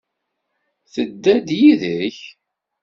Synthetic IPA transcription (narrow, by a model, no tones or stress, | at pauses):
θəd̪ːæd̪jiðəç